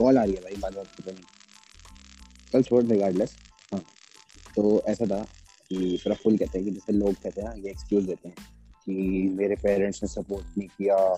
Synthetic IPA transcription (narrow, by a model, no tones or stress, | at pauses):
kɔːlaːɾiabʱaːibaːakiponĩ | kɐlt͡ʃʰoːʈɾɪɡaːɾɖles | ɦãː | t̪oːɛːsat̪ʰa | kipɾafuːlkɛɦt̪eɦɛ̃k̬id͡ʒɛːseloːɡ̚kɛɦt̪eɦɛnãjeːkskjuːzd̪eːt̪eɦɛ̃ː | kimeːɾepeːɾɛ̃ɳʈsnesɐpoːɾʈ̚nɐɦĩkija